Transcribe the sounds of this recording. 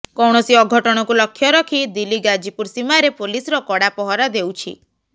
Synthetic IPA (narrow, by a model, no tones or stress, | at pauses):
kɔwɽ̃ɔsiɔɡʱɔʈɔɽ̃ɔkulɔkʰːjɔɾɔkʰid̪iliɡad͡ʒipuɾsimaɾepolisɔɾɔkɔɽapɔɦɔɾad̪ewt͡ʃʰḭ